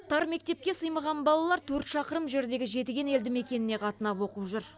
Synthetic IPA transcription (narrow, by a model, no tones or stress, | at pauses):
t̪ʰɑɾme̞k̚t̪e̞p̚kʲe̞səjməʁɑnbɑlˠɑlˠɑɾt̪ʰɵɾt̪ʃɑqəɾəmʒe̞ɾd̪e̞ɡʲɪʒe̞t̪ɪɡʲe̞ne̞ld̪ɪme̞kʲe̞nɪne̞qʰɑt̪ənɑpwo̞qəpʒʏɾ